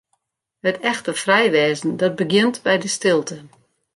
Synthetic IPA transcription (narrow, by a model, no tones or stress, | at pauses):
hətʰɛxtəfrɛjʋɛːzn̩dɔt̚bəɡɪntbɛjdəstɪlˠtʰə